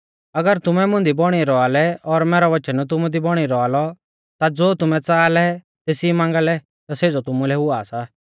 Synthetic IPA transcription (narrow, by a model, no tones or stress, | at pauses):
ɐɡəɾt̪ʊmɛmʊ̃nd̪ibɔɽ̃iɾɔalɛɔɾmɛːɾɔʋɐt͡ʃənt̪̬ʊmud̪ibɔɽ̃iɾɔalɔ | t̪ad͡zoːt̪ʊmɛ̃t͡saːlɛ | t̪eːsimãːŋɡalɛ | t̪aseːd͡zot̪ʊmulɛɦʊaːsa